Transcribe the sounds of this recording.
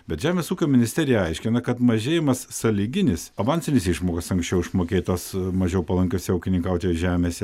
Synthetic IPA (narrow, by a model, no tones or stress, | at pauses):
bʲɛt̪ʒʲæːmʲeːsuːkʲoːmʲɪnʲɪsʲt̪ʲæːɾʲɪjɛɐɪʃʲkʲɪnɐkɐt̪mɐʒʲeːjɪmɐsːɐlʲiɡʲɪnʲɪsɐbɐnʲsʲɪnʲɪsiʃmoːkɐsɐŋksʲt͡ʃʲɛʊɪʃmoːkʲeːt̪oːsmɐʒʲɛʊpɐlˠɐŋʲkʲosʲɪɐʊkʲɪnʲɪŋkɐʊt̪ʲeːʒʲæːmʲeːsʲɛ